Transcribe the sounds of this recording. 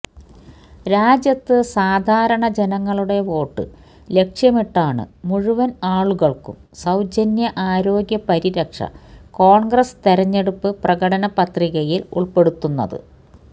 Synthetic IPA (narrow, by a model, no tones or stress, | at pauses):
ɾaːd͡ʑjɐt̪ːɨsaːd̪ʱaːɾɐɳɐd͡ʑe̞nɐŋːɐɭuɽe̞ʋo̞ːʈːɨ̰ | le̞kʂjɐmiʈːaːɳɨ̰muɻuʋɐnaːɭuɣɐɭkṵm | sɐwd͡ʑɐnjɐʔaːɾo̞ːɡjɐpɐɾiɾɐkʂɐ̰ko̞ːɳɡrɐst̪eɾɐɲːe̞ɽupːɨprɐɣɐɽɐnɐpɐt̪riɣɐjilṵɭpe̞ɽut̪ːunːɐ̰ðɨ̰